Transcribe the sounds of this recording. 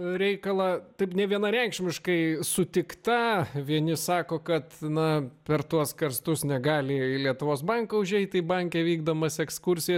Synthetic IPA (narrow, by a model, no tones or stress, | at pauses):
ɾʲɛɪkɐlˠɐt̪ɐɪpnʲɛʋʲiɛnɐɾʲɛŋkʃʲmʲɪʃkɐɪsʊt̪ʲɪkt̪ɐʋʲiɛnʲɪsɑːkoːkɐt̪nɐpʲɛrt̪uɔskɐrst̪ʊsnʲɛɡɑːlʲɪlʲiɛt̪ʊʋoːsbɐŋkɐʊʒʲɛɪt̪ʲɪbɐŋʲkʲɛʋʲiːɡ̚d̪omɐsɛkskʊɾʲsʲɪjɛs